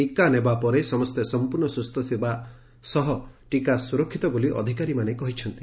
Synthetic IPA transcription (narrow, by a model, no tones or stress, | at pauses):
ikanebapɔɾesɔmɔst̪esɔmpuɾnɔsust̪ʰɔt̪ʰiba | sɔɦɔʈikasuɾɔkʰːit̪ɔboliʔɔ̰d̪ʱikaɾimanekɔɦit͡ʃʰɔnt̪i